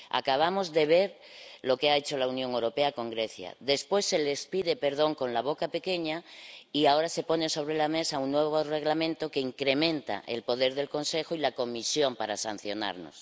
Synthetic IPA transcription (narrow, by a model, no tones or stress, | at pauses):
a̰kaβ̞amo̞zðe̞β̞e̞ɾ | lo̞keae̞t͡ʃo̞launjoŋewɾo̞peako̞ŋɡɾe̞θja̰ðe̞spwe̞sːe̞le̞spiðe̞pe̞ɾðo̞ŋko̞nlaβo̞kape̞ke̞ɲaiao̞ɾase̞po̞neso̞β̞ɾelame̞sauŋːweβ̞ore̞ɣlamẽnt̪o̞keiŋkɾe̞mẽ̞nt̪a̰ʔḛlpo̞ð̞eɾðe̞lko̞nse̞xoilako̞misjo̞mpaɾasan̟θjo̞na̰ɾno̰s